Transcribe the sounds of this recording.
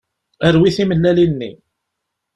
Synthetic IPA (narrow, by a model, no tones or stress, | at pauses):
əɾwiθiməlːælinːḭ